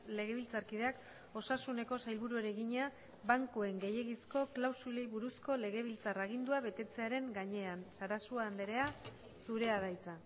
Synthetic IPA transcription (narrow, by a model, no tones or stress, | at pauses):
le̞ɣe̞βilt͡saɾkið̞e̞ak | o̞sasune̞ko̞sajlβuɾueɾe̞ɣiɲa | baŋkue̞ŋɡe̞je̞ɣisko̞klawsulejβuɾusko̞le̞ɣe̞β̞ilt͡saraɣ̞ind̪uaβe̞t̪e̞t͡se̞aɾe̞ŋɡaɲe̞ansaɾasuaːnd̪e̞ɾe̞a | suɾe̞að̞ajt͡sa